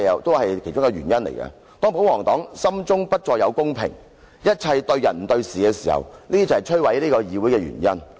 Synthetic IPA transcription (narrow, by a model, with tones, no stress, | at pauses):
jwt̪o˥whɐ˨jkʰe˨˩jt͡ʃʊ˥ŋkɛ˨˧wɥyː˨˩njɐ˥nlḛ˨˩jkɐ̰˧ | t̪ɔː˥ŋpo˨˥wɔː˨˩ŋt̪ɔ̰ː˨˥ŋsɐ˥mt͡sʊ˥ŋpɐ˥t̚t͡sɔː˧jɐ˨˧wkʊ˥ŋpʰɪ̰˨˩ŋ | jɐ˥t̚t͡sʰɐ˧jt̪ɵ˧ɥjɐ˨nm̩˨˩t̪ɵ˧ɥsiː˨kɛː˧siː˨˩hɐ̰˨wliː˥d̪iː˥ɐ˨hjt͡ʃʰɵ˥wɐ˨˥jliː˥kɔː˧jiː˨˧wu˨˥jkɛː˧ɥy̰ː˨˩njɐ˥n